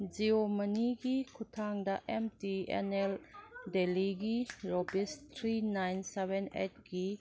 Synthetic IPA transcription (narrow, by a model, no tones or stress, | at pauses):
d͡ʒiomɐniɡikʰutʰaŋdɐʔɛmtiɛ̰nɛldeliɡiɾɔbist̪ʰɾinajnsebɛnḛt̚ɡi